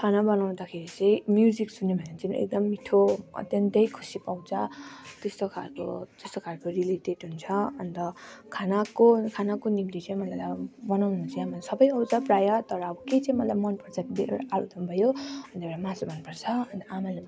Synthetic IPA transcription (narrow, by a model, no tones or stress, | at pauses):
kʰanabʌnaw̃d̪akʰeɾit͡sʌ̃j̃mjud͡ziksunebʱʌnat͡sinḛk̚d̪ʌmːiʈʰoʌ̰t̪jʌnd̪ʌjkʰu̥sipaw̃t͡sʰʌt̪est̪okʰalko̰t̪est̪okʰalkoriliʈeʈɦunt͡sʰʌʌnd̪ʌkʰanakokʰanakonimt̪it͡saĩmʌlajbʌnaw̃nut͡saj̃amalasʌbʌjʌwd͡zʌprajʌt̪ʌɾʌːbʌket͡sãĩmʌlajmʌnpʌrt͡sʰʌkid̪iḛwɽa̰ʔaɾud̪ʌmbʱʌjoʌneɽamãsubʱʌnpʌrt͡sʰʌʌnt̪ʌamala